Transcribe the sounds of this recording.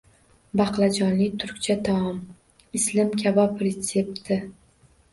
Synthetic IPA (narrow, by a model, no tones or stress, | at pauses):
bɑqlˠad͡ʒɒnlɪt̪ʰʊɾkʲt͡ʃʰat̪ʰɒɒm | ɪslɪmkʲʰabɒpɾet̪sep̚t̪ʰɪ